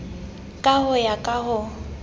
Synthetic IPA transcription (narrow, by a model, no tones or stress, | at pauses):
kʼahʊjakʼahʊ